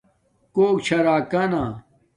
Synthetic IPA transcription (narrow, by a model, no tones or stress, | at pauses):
koːkt͡ɕʰɐɾaːkɐna